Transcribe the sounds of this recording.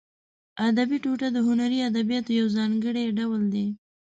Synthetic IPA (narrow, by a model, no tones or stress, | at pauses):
ad̪abiʈuʈad̪əɦʊnaɾiad̪abijɑt̪ojawzɑŋɡəɽeɖawld̪e